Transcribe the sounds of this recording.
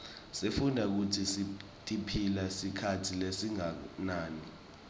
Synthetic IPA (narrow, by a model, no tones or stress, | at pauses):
sefundʱak̬utʰisi | tʼipʰilasikʰatʰilesiŋanaːni